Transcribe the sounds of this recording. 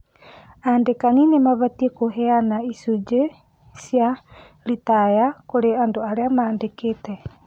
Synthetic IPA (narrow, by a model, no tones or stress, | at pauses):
andekaninemaβat̪ikoɦeanaisud͡ʒe | sia | lit̪ajakoɾeandoaɾeamandeket̪e